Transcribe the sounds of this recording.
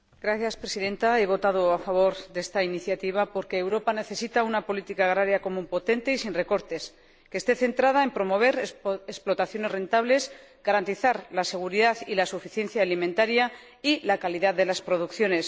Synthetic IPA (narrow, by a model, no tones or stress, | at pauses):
ɡ̥ɾaθjaspɾe̞siðe̞nt̪ae̞βo̞t̪aðo̞afaβ̞o̞ɾðe̞st̪ainiθjat̪iβ̞apo̞ɾke̞ːwɾo̞pane̞θe̞sit̪aunapo̞lit̪ikaːɣɾaɾjako̞mũmpo̞t̪e̞nt̪e̞isinre̞ko̞ɾt̪e̞s | ke̞ːst̪e̞θe̞nt̪ɾað̞ae̞mpɾo̞mo̞β̞e̞ɾesplo̞t̪aθjo̞ne̞zre̞nt̪aβle̞z | ɡ̥aɾant̪iθaɾlase̞ɣ̞uɾiðaðilasufiθje̞nθjaːlimẽnt̪aɾja | ilakaliðaððe̞laspɾo̞ð̞ukθjo̞ne̞s